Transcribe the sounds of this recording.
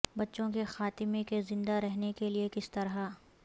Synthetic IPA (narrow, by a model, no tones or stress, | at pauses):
bɐtːʃõkexaːt̪ɪmekezɪ̃nd̪aɾɛɦnekeliekɪst̪ɐɾɦa